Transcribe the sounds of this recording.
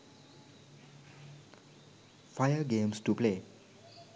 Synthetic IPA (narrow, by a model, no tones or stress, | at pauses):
fajəɡẽmsʈuple